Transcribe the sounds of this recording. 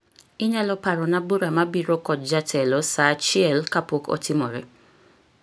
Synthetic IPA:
iɲalɔpaɾɔnaboɾamabiɾokɔd͡ʒatʰɛlɔsat͡ʃiɛlkapokɔ̰timɔɾe

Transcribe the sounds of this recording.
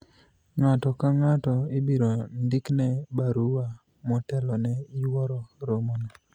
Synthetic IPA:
ŋatɔkaŋatɔɪbiɾondiknɛbaɾuwa | mɔtɛlɔnɛjwɔɾɔɾomono

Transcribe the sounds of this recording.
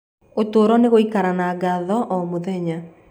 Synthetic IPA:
otoːɾɔneɣoikaɾanaːɡaðɔʔɔmoðɛɲa

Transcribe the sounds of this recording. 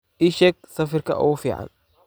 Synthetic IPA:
iʃɛːɡ̚sɐfɪrkʰɐ̰ʔʊ̰ɣʊfiːʕa̰n

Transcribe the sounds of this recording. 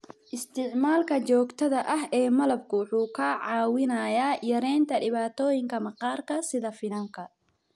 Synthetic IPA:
ʔɪst̪ʰɪʕmaːlkʰɐt͡ʃɔːɡt̪ʰɐðɐʔɐɦɛːmɐlɐb̚kʰʊwʊħuːkʰɐʕɑːwɪnɐjaːjɐɾɛːnt̪ʰɐɖɪβaːt̪ʰɔːjɪŋkʰɐmɐqɑːrkʰɐsɪðɐfɪnɐŋkʰɐ

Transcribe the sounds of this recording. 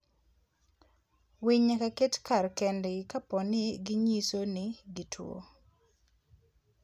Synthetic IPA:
wiɲakaketkarkɛndɪkapɔnɪɡɪɲisonɪɡitʰwo̰

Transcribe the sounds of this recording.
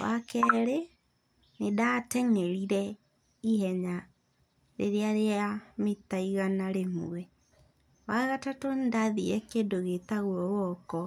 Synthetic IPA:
wa̰kɛɾe | nedatɛŋɛɾiɾɛ | iɦɛɲa | ɾḛɾeaɾeametaiɣanaɾemuɛ | waɣatatɔndaðiɛkedoɣetaɣwɔwɔkɔ

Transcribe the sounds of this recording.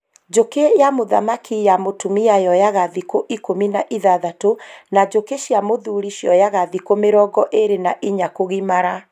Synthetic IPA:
d͡ʒokejamoða̰makʰijamotumiajɔjaɣaðikoʔikominaʔiðaðatonad͡ʑokeʃjamoðuɾiʃjɔjaɣaðikomeɾɔɡɔʔeɾenaʔiɲakoɣimaɾa

